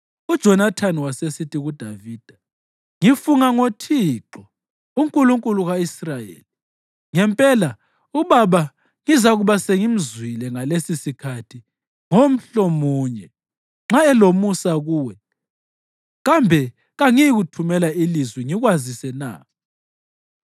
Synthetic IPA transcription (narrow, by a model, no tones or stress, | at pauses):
ud̥ʒ̥ʱɔnatʰaniwasesitʰʼiɣud̥ʱaviːd̥ʱa | ŋifuŋaŋotʰiǁɔ | uŋkʼuluŋkʼuluɣaisrajḛːli | ŋɛmpʼɛla | uβaβa | ŋizaɣuβaseŋim̩zwilɛŋalesisikʰatʰi | ŋom̩ɬɔmuːɲɛ | ŋ͡ǁaɛlomusaɣuːwɛ | ɣambʱɛ | ɣaŋijɣutʰumɛlailizwɛŋiɣwazisɛna̰ː